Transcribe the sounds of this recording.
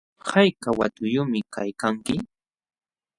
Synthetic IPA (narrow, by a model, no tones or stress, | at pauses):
hajkawa̰t̪ʊjʊmɪkajkaŋkɪ